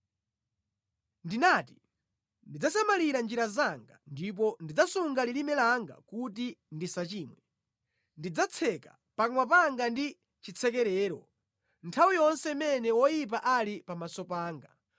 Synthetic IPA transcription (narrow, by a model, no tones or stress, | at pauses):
ndinati | ndid͡zasamaliɾand͡ʒiɾazaŋɡandip̬ɔndid͡zasuŋɡalilimɛlaŋɡa̰kut̬indisat͡ʃiːmwɛ | ndid͡zat͡sʰɛka | paŋwap̬aŋɡandi | t͡ʃit͡sʰɛkɛɾɛːɾɔ | ntʰawijɔnsɛimɛnɛwɔjip̬aʔalipamasɔpaːŋɡa